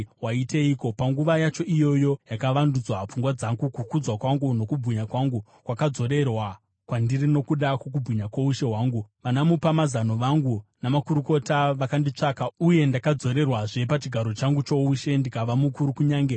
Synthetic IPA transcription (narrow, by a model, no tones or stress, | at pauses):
waiteiːko̞paŋɡuʋajat͡ʃo̞ʔijo̞jo̞jakaʋandud͡zwap͡fuŋɡwad͡zaŋɡukukud͡zwakwaŋɡuno̞kubʱiɲakwaŋɡu | kwakad͡zo̞ɾe̞rwa | kwandirino̞kuɗakwok̬ubʱiɲakwouʃe̞ɦwaːŋɡuʋanamupamazano̞ʋaŋɡunamakuɾuko̞taʋakandit͡ʂakauje̞ndakad͡zo̞ɾe̞rwaʐe̞pat͡ʃiɡʱaɾo̞t͡ʃaŋɡut͡ʃo̞uʃe̞ndikaʋamukuɾukuɲaːŋɡe